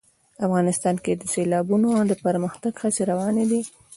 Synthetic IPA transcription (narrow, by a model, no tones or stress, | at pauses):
afɣɑnɪst̪ɑnked̪əselɑbunod̪əpəɾməxt̪aɡxaseɾawɑned̪i